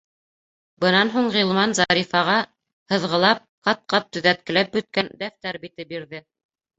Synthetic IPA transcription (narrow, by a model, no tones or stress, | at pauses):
bɤ̆nɑnɦuɴʁilˠmɑnzɑɾifɑʁɑ | hɤ̆ðʁɤ̆lˠɑp̚qɑt̪̚qɑp̚t̪ɵ̆ðæt̪̚kɘ̆læp̚bɵ̆t̪̚kænd̪æft̪æɾbit̪ɘbiɾðɘ